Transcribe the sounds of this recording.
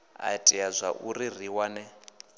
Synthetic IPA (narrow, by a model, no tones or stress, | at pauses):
a̰tʼiazʷaʔuɾir̤iwanɛ